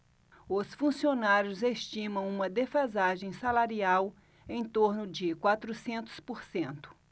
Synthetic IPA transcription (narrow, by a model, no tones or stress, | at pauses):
ʊsfũsionaɾjʊzest͡ʃĩmɐ̃w̃ũmɐd̪efazaʒẽj̃salaɾiaw | ẽj̃t̪oɾnʊd͡ʒɪkwat̪ɾʊsẽnt̪ʊ̥spoɾsẽnt̪ʊ̥